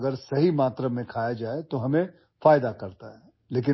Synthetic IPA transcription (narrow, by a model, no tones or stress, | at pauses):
ɡəɾsɐɦimaːt̪ɾəmẽkʰaːjad͡ʒaːet̪oɦɐmẽ | faːjd̪akɐɾt̪aɦɛː | leːk̬ɪ